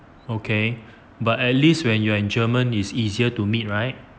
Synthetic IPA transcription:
okʰe | batɛt̚listwɛ̃njuaĩnd͡ʒəmə̃nisiziətumit̚ɹaɪt̚

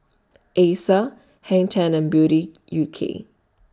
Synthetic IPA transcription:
ʔesa | hɛ̃ŋtʰãnɛ̃nbjuɾijukʰḛ

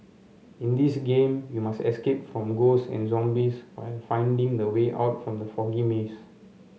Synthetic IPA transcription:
ĩndisɡẽmjumastɛ̰skep̚fɹɔ̃mɡosɛ̰̃nzɔ̃mbiswa̰ɪlfãɪ̃ndĩŋdəweʔa̰ʊtfɹɔ̃mdəfɔɡimes

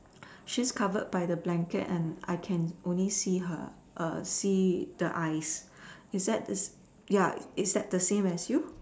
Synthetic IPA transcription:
ʃiskʰavəd̚bajdəblɛ̃ŋkə̰tɛ̃na̰ɪkʰɛ̃nʔõnlisiɦə̰ | ʔʌ̰sidəʔaɪs | ɪsdɛt̚dəs | jaɪtsdɛt̚d̥əsẽmɛsju

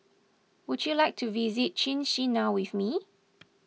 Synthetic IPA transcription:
wud͡ʒjulajk̚tʰuvizit̚t͡ʃĩnʃinaʊwiθmi

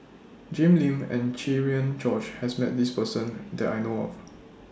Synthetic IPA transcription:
d͡ʒẽmlĩmɛ̰̃nt͡ʃiɹiə̃nt͡ʃɔt͡ʃhɛsmɛt̚dispəsə̃ndɛtajnoɔ̰f

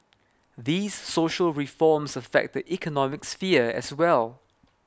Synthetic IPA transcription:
ðiːsːoʃəlɹifɔmsəfɛ̰k̚t̚dəʔikʰənɔmɪksfiəɛ̰swɛlˠ

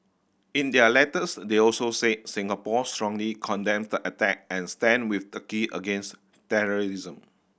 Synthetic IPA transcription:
ĩndɛəlɛtəsdeɔlsoseʔ̚sĩŋəpɔstɹɔ̃ŋlikʰɔ̃ndɛ̃mdəʔətɛk̚ɛ̃nstɛ̃nwiθtəkiʔə̰ɡẽns | tɛɹɔɹizə̃m

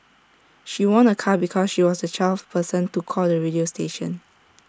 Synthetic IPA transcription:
ʃiwɔ̃nəkʰabikʰɔsʃiwɔsdət͡ʃʰalfpʰəsə̃ntukʰɔldəɹidiosteʃə̰̃n

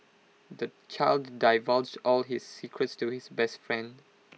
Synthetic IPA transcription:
d̪ət͡ʃaɪldːaɪvɔld͡ʒdɔlɦɪsːikʰɹətstuɪsbɛstfɹɛ̃nd

